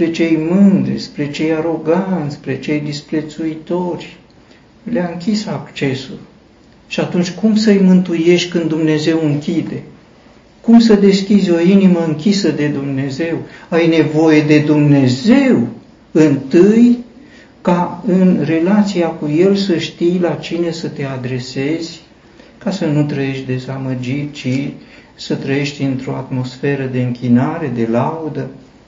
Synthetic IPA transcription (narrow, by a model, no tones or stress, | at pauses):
spɾe̞t͡ʃe̞jmɨnd̪ɾespɾe̞t͡ʃe̞jaɾo̞ɡant̪sʲspɾe̞t͡ʃe̞jd̪ispɾe̞t̪suit̪o̞rʲ | leaɨŋkʲisakt͡ʃe̞sul | ʃiat̪unt͡ʃʲkumsəjmɨnt̪uje̞ʃt̪ʲkɨnd̪ːumne̞ze̞wɨŋkʲid̪e̞ | kumsəd̪e̞skʲizʲo̞iniməɨŋkʲisəd̪e̞d̪umne̞ze̞wajne̞vo̞je̞d̪e̞d̪umne̞ze̞w | ɨnt̪ɨj | kaɨnre̞lat̪siakuje̞lsəʃt̪ijlat͡ʃine̞sət̪e̞ad̪ɾe̞se̞zʲ | kasənut̪ɾəje̞ʃt̪ʲd̪e̞zaməd͡ʒitt͡ʃi | sət̪ɾəje̞ʃt̪ʲɨnt̪ɾo̞at̪mo̞sfe̞ɾəd̪e̞ɨŋkʲinaɾe̞d̪e̞laud̪ə